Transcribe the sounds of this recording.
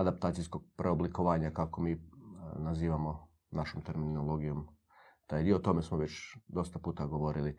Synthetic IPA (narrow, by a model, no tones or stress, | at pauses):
ad̪ap̚t̪aːt̪sijsko̞ɡ̚pɾʔeoblikoʋaːɲakako̞miːnaziːʋamo̞ | naʃo̞mt̪e̞ɾminnolˠo̞ɡijo̞m | t̪aːjd̪iot̪o̞me̞smoʋe̞t͡ɕd̪o̞st̪apuːt̪aɡo̞ʋo̞ɾili